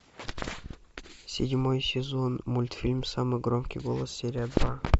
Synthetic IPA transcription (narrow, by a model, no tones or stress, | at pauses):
sʲɪdʲmo̞jsʲɪzo̞nmulʲt̪fʲilʲmsamɨjɡromkʲijɡo̞lˠəsːʲeɾʲad̪vɑ